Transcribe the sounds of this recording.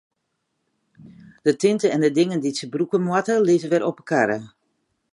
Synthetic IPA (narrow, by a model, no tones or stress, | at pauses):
d̥ətɪntəɛndədɪŋənditsəbrukəmwatəlɪːzəʋɛɾʔɔpəkʰaɾə